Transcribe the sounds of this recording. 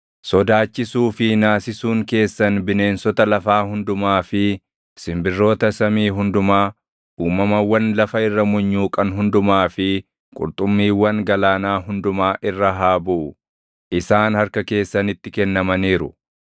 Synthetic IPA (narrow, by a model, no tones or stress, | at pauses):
sɔd̪aːt͡ʃːɪsuːfɪnaːsɪsuːŋke̞ːsːɐnbɪne̞ːnsɔt̪ɐlɐfaːhʊnd̪ʊmaːfɪ | sɪmbɪrːo̞ːt̪ɐsɐmiːɦʊnd̪ʊmaː | ʔuːmɐmɐwɐnlɐfɐɪrːɐmʊɲːuːkʼɐnɦʊnd̪ʊmaːfɪ | kʼʊ̰ɾt̪ʼʊmːiːwɐŋɡɐlaːnaːɦʊnd̪ʊmaːʔɪrːɐɦaːbʊʔʊ | ʔɪsaːnhɐɾkɐke̞ːsːɐnɪt̪ːɪkɛnːɐmɐniːɾʊ